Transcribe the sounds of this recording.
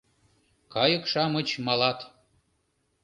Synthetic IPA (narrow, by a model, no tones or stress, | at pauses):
kɑjəkʃɑmə̆t͡ɕmɑlɑt̪